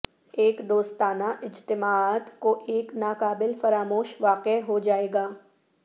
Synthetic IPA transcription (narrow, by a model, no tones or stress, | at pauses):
eːkd̪oːst̪aːnaʔɪd͡ʒt̪ɪmaːt̪koʔeːknaːqaːbɪlfɐɾaːmoːʃʋaːqeɦod͡ʒaːeːɡaː